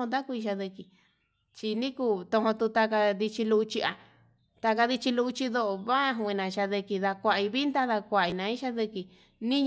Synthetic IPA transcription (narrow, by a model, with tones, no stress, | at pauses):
õ˧nd̪̬a˦ku˧i˧ʃa˧ðɨ˧ki˧ | t͡ʃi˧nĩ˦ku˦˧t̪õ˧õ˧t̪u˧t̪a˧ka˧ði˧t͡ʃi˧lu˧t͡ʃi˧a˧ | t̪a˧ka˧ði˧t͡ʃi˧lu˧u˧t͡ʃi˧ðo˧ʔo˧βa˦a˧ɦu˧ĩ˧nã˨˧ʃa˧ðɨ˧ki˧ða˧kʷa˧ʔi˧βi˦nd̪a˦ða˧kʷa˧˨i˧nã˧ĩ˦ʃa˧ðɨ˧ki˧ | nĩ˦ɲ